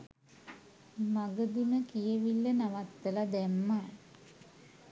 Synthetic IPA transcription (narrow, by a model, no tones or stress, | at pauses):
maɡəd̪iməkijeʋilːənaʋat̪ːəlad̪æmːa